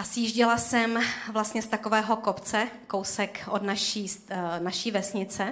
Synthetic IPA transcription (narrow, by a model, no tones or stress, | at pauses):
ʔasjiːʒɟɪlasɛmvlast̪ɲɛst̪akovɛːɦo̞ko̞pt͡sɛkowsɛkʔodnaʃiːsnaʃiːvɛsɲɪt͡sɛ